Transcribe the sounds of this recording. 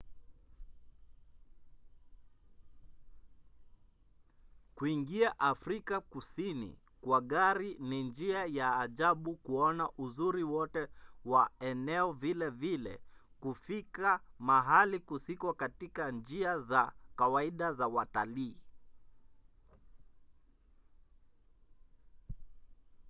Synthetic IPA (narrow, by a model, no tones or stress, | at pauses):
kuiŋɡiaʔafɾikakusinḭ | kwaɠaɾinind͡ʒiajaːʄaɓukuɔnaʔuzuɾiwɔtɛwaɛnɛɔvilɛvilɛ̰ | kufikamaɦalikusikwakatikand͡ʒiazakawaiɗazawataliː